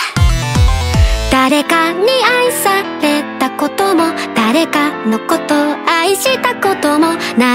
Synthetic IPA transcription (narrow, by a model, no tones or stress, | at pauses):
d̪̥aɾe̞kaɲ̟iaisaɾe̞t̪ako̞t̪o̞mo̞d̪̥aɾe̞kano̞ko̞t̪o̞aiɕit̪ako̞t̪o̞mo̞na